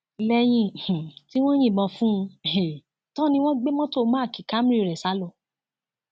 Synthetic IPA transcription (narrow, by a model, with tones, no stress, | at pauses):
lɛ˧j̃ĩ˧˨h̩˨ti˦w̃ɔ̃˦j̃ĩ˦˨bɔ̃˨˧˨fũ˦˧˨e˨ | tɔ̃˦nĩ˧w̃ɔ̃˦ɡ͡be˦mɔ̃˦to˦˨˧mãː˦˨ki˨ka˨˦m̩˦ɾi˦˨ɾɛ˨sa˨˦lo˦˨